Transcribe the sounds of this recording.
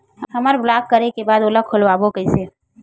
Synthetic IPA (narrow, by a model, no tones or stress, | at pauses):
həmaɾblakːəɾekebad̪oləkʰːolʋabokəise